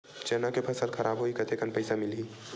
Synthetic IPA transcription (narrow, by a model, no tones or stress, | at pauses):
t͡ʃɛːnakepʰɐsəlxʰɐɾʔaːbɦoikɐt̪ʰekənpɐɪsamɪliː